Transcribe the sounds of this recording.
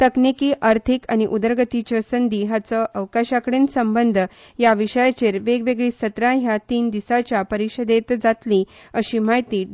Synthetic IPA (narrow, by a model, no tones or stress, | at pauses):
t̪əknikiːʔaɾt̪ʰikañiʔud̪əɾɡət̪it͡ɕəsənd̪ʱiɦat͡səʔəʋkaɕakəɽensəmbənd̪ʱ | jaʋiɕəjat͡ɕeɾʋeɡʋeɡɭiːsət̪ɾãɦjat̪iːnd̪isat͡ɕjapəɾiɕəd̪et̪d͡zat̪lĩ | əɕiːmaɦjt̪iː